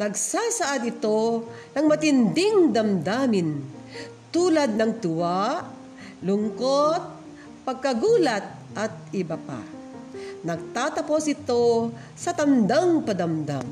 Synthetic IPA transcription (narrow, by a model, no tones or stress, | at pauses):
nɐɡ̚saːsɐʔad̪ɪt̪o̞nɐŋmɐt̪ɪnd̪ɪŋd̪ɐmd̪aːmɪnt̪uːlɐd̪̚nɐŋt̪ʊwaʔ | lʊŋkot̪̚ | pɐɡ̚kɐɡuːlɐt̪̚ | ʔɐt̪̚ɪbapa̰ | nɐɡ̚t̪aːt̪ɐposʔɪt̪o̞ | sɐt̪ɐnd̪aŋpɐd̪ɐmd̪a̰ŋ